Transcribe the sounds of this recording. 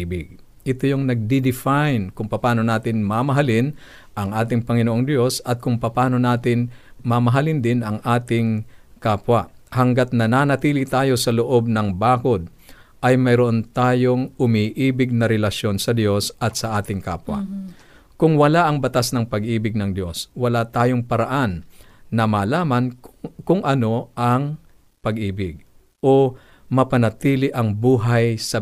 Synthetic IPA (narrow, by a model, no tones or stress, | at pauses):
bɪɡ̚ | ʔɪt̪ojoŋnɐɡ̚d̪id̪ɪfajnkʊŋpɐpaːno̞naːt̪ɪnmamɐɦalɪn | ʔɐŋʔaːt̪ɪŋpɐŋɪnoʔoŋd̪jo̞sɐt̪̚kʊŋpɐpaːno̞naːt̪ɪnmɐmɐɦalɪnd̪ɪnɐŋʔaːt̪ɪŋkaːpwɐhɐŋɡat̪̚nɐnanɐt̪iːlit̪aːjo̞sɐloʔo̞b̚nɐŋbaːko̞d̪̚ | ʔɐjmɐjɾoʔont̪aːjo̞ŋʊmiʔiːbɪɡ̚nɐɾɛlɐʃjo̞nsɐd̪jo̞sɐt̪sɐʔaːt̪ɪŋka̰ːpwɐ̰ | kʊŋwɐlaʔɐŋbɐt̪asnɐŋpɐɡʔiːbɪɡ̚nɐŋd̪jo̞swɐlat̪aːjoŋpɐɾɐʔanː | ɐmaːlaːmɐnkʊŋʔɐno̞ʔɐŋ | pɐɡʔiːbɪɡ̚ | ʔo̞ | mɐpɐnɐt̪iːlɪʔɐŋbuːɦajsɐ